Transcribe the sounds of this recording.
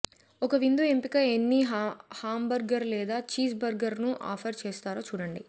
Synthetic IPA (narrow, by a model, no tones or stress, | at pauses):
ɔkɐʋind̪uempikɐenːiɦhaːmbɐɾɡɐɾlɛːd̪aːt͡ʃiːsbɐɾɡɐɾnuʔa̰ːpʰɐɾt͡ʃeːst̪aːɾoːt͡ʃuːɽɐɳɖi